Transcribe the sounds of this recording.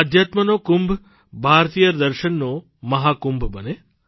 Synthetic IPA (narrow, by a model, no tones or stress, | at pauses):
ad̪ʱjat̪mənokumbʱ | bʱaɾt̪ijəd̪əɾʃənːo | məɦakumbʱbəne